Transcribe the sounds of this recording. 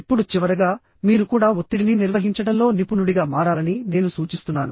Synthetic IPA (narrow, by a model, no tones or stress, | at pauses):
ipːuɽut͡ʃiʋɐɾɐɡaː | miːɾukuːɽaːot̪ːiɽininiɾʋɐɦiɲt͡ʃɐɽɐmlo̞ːnipunuɽiɡaːmaːɾaːlɐnine̞ːnusuːt͡ʃist̪unːa̰ːnu